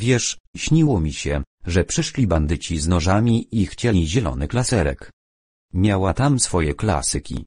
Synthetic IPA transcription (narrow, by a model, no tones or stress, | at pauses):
vʲjɛʂɕɲiwɔmʲiɕɛʐɛpʂɘʂlʲiband̪ɘt͡ɕiznɔʐamʲiixt͡ɕɛiʑɛlɔ̰nɘklasɛɾɛ̰k | mʲjawat̪amsfɔjɛkla̰sɘkʲḭ